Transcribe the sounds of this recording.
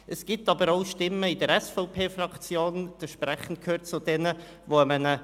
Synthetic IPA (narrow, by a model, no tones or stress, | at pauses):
əsɡ̥itɑbəɾoʊʃtɪmːəɪdəɾɛsfɔʊpʰeːfrɑkt͡sjoːnd̥̪əʃpɾɛχən̩t̚kʰøːɾt̚t͡sʊd̥ɛnə | voəmənə